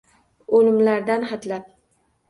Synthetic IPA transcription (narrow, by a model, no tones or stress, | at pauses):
olɪmlaɾd̪anχat̪lap̚